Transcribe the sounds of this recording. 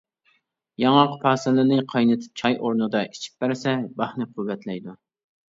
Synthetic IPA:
jɑŋɑqpʰɑːsɨlɨnɨqʰɑjnɨt̪ʰɪ̥p̚t͡ʃʰɑjʔoɾnɨd̪ɑʔi̥t͡ʃʰi̥p̚bæɾsɛbɑχnɨqʰuwːɛt̪lɛjd̪u

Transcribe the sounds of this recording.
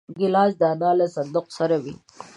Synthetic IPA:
ɡɪlɑːsd̪aːnɑlasand̪ʊqsaɾawḭ

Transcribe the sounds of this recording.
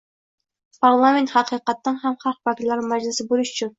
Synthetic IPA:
pʰɑɾlˠɑment̪hɑqiqɑt̪ːɨŋɦæmχɑlˠq̚bɑkʲit̪lˠɑɾnmæd͡ʒlˠɪsɪbulˠuʃy̥t͡ʃʰyn

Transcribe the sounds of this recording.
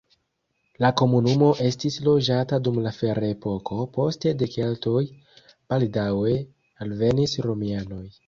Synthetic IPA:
lako̞munumo̞ʔe̞stislo̞d͡ʒatadumlafe̞ɾaepo̞ko̞po̞ste̞de̞ke̞ltoj | b̥aldawe̞ | alve̞nisɾo̞miano̞j

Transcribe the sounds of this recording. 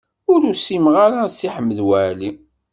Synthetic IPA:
ʊɾusimʁaɾasiħəmːəðwæʕli

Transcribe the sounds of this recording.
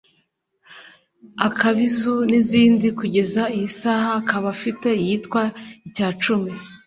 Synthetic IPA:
akaβizuniziːndikuɟe̞zaijisaːhakaβafite̞ijiːtkwaicaːt͡ʃumi

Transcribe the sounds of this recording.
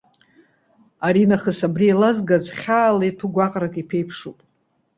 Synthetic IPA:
aɾinaχəsabrialazɡazχʲaːlajtʰuɡʷaqʼrakʼipʰejpʰʂupʼ

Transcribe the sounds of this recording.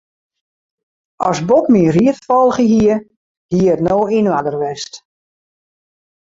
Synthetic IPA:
ɔsbokminriətfɔlˠɣəɦiə | hiəətnoːinʋadərʋɛst

